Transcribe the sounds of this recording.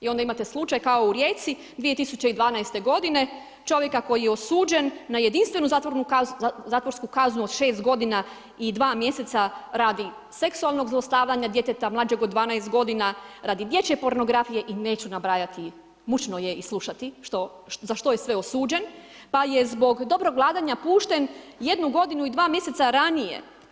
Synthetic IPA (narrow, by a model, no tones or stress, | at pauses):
io̞nd̪aimat̪e̞slˠut͡ʃajkaouɾje̞ːsi | d̪ʋije̞t̪isut͡ɕe̞id̪ʋaːnaest̪e̞ɡo̞d̪ine̞ | t͡ʃo̞ʋje̞kako̞jijeosuːd͡ʒe̞nːaje̞d̪inst̪ʋe̞nut̪ouzaːt̪ʋoɾskukaznuod̪ʃe̞ːst̪ɡo̞d̪ina | id̪ʋaːmje̞set̪saɾaːd̪i | se̞ksualˠno̞ɡzlˠost̪aːʋʎaɲad̪je̞t̪et̪amlˠaːd͡ʒe̞ɡod̪ʋaːnajst̪̚ɡo̞d̪inaɾaːd̪id̪je̞t͡ɕe̞po̞ɾno̞ɡɾafije̞ʔineːt͡ɕunabɾaːjat̪i | mut͡ɕnojeislˠuʃat̪iʃt̪o | zaʃt̪ojesʋe̞osuːd͡ʑe̞n | paje̞zbo̞ɡd̪o̞bɾoɡʋlˠaːd̪aɲapuːʃt̪e̞nje̞d̪nuɡo̞d̪inuid̪ʋaːmje̞se̞t̪saɾanije̞̰